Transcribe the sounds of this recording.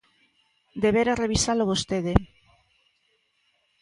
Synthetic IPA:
d̪eβeɾareβisaloβost̪eðe

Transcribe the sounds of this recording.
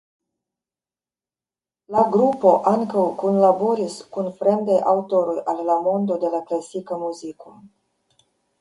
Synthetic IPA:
laɡɾupo̞ʔaŋkəwkonlaboɾiskunfɾend̪ajʔawt̪oɾujallamond̪od̪elaklasikəmuziku

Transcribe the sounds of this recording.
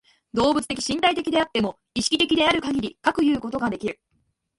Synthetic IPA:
d̪o̞ːbɯ̟t͡sɨ̥t̪e̞kʲi̥ɕĩnt̪ait̪e̞kʲid̪e̞at̪ːe̞mo̞ | iɕi̥kʲi̥t̪e̞kʲid̪e̞aɾɯ̟kaɡʲiɾʲikakɯ̟jɯ̟ːko̞t̪o̞ɡad̪e̞kʲiɾɯ̟

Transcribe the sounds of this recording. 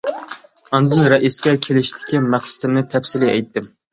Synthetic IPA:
ɑnd̪ɨnɾɛʔiskʲɛkʲʰelɪʃt̪ʰɪ̥kʲimæχsɨ̥t̪ʰɪmnɨt̪ʰɛpsɪlɪɛjt̪ːɪm

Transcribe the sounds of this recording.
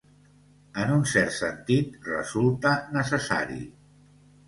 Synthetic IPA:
ənunsɛɾt̪sənt̪it̪rə̰zulˠt̪ənəsəsa̰ɾḭ

